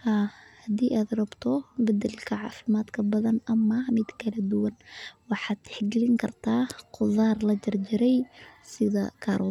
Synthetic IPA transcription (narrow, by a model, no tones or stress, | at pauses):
haːhɐd̪iːʔaːd̪rɐbt̪ʰɔbɐd̪ɐlkʰɐʕɑːfɪmaːd̪kʰɐbɐðɐnɐmːɐmɪd̪kʰɐlɐd̪ʊwɐnwɑħɑːd̪̥ħɪɡlɪŋkʰɐrt̪ʰaːqʊðaːrlɐd͡ʒɐrd͡ʒɪɾɛjsɪðɐ̰kʰaːɾʔɔː